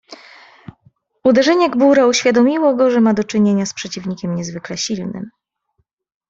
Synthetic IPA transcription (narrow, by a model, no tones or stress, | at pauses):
ud̪ɛʐɛɲɛɡbuɾauɕfʲjad̪ɔmʲiwɔɡɔʐɛmad̪ɔt͡ʂɘɲeɲaspʂɛt͡ɕivɲikʲɛmɲɛzvɘklɛɕilnɘ̰m